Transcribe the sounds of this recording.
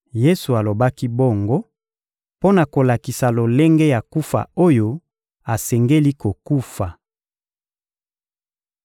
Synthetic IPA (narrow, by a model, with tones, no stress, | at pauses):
je˦su˨a˨lo˨ba˦ki˦bo˦ŋɡo˦ | po˦na˨ko˨la˨ki˨sa˨lo˨lɛ˦ŋɡɛ˦ja˨ku˦fa̰˨o˦jo˦ | a˨sɛ˨ŋɡe˦li˦ko˨ku˦fa˨